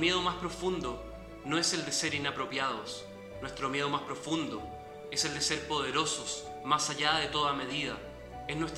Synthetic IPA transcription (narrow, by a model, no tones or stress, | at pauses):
mje̞ðomaspɾo̞fund̪o | noe̞se̞ld̪ese̞ɾinapɾo̞pjaðos | nwest̪ɾomje̞ð̞o̞maspɾo̞fund̪o | eseld̪ese̞ɾpo̞ð̞eɾo̞sos | masaʎaðet̪o̞ðame̞ð̞iða | esnwest̪